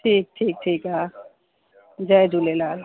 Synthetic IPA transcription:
ʈʰiːk̚ʈʰiːk̚ʈʰika | d͡ʒaed͡ʒulelal

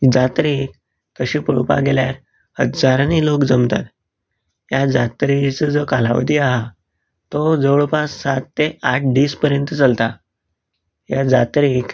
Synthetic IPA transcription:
d͡zat̪ɾik | t̪əɕipəɭupa̰ɡeljaɾ | həd͡zaɾanilokd͡zəmt̪a̰t̪ | jad͡zat̪ɾit͡səd͡zɔkala̰ʋə̰d̪iːaɦa | t̪ɔd͡zəʋɭopasat̪ːeʔaʈʰɖiːspəɾjənt̪ət͡səlt̪a | ɦjad͡zat̪ɾik

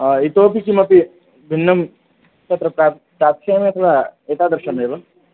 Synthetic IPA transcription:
it̪oːpikimɐpi | bʱinːɐm | t͡ʃɐt̪ɾɐpɾa | pɾaːt̪ʃejɐmẽɐt̪ʰɐlaet̪aːd̪ɐɾʃɐneːbɐ

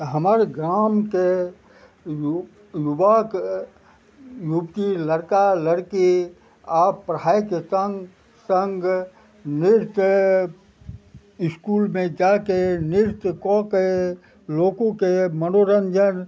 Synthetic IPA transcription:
ɦəməɾɡɾaːmke | j | jubaːk | jubt̪iləɾkaləɽki | aːpːɾəɦaːjkesəŋɡ | səŋɡ | nɪɾt̪ | ɪskuːlmẽd͡ʒaːkenɪɾt̪kɔ̃ke | loːkõkemənoɾənd͡ʒən

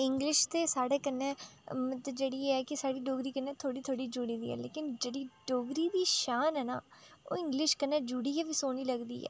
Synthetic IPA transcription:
ɪŋɡlɪʃt̪eːsaːɽeːkənːẽːmət̪ləbd͡ʒeːɽiːeːɛːkɪsaːɽiːɖoːɡɾiːkənːeːt̪ʰoːɽiːt̪ʰoːɽiːd͡ʒuːɽiːd̪ḭːɛ̰ːlḛːkɪnd͡ʒeːɽiːɖoːɡɾiːd̪iːʃaːnɦɛːna̰ːo̰ːɪ̃ŋɡlɪʃkənːeːd͡ʒuːɽiːɛːʋiːsoːniːləɡd̪ḭːɛ̰ː

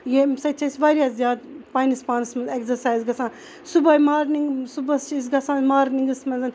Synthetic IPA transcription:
jesɐt͡ʃʰɐsʲʋaɾʲijaːzjaːd̪paːjnispaːnɐsmɐnzekzɐɾsaːjzɡɐsãːn | subɐjmaːɾniŋɡsubɐst͡ʃiːsɡɐsãːnmaːɾniŋɡɨsmɐnzɐn

